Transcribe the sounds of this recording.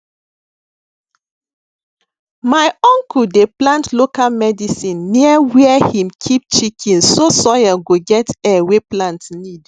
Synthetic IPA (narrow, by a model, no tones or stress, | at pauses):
majɔ̃ŋkʰuldeplãntlokalmɛdisĩnːiəwɛɛhĩmkʰip̚t͡ʃikʰĩnsosɔjaɡoɡɛtɛweplãntnid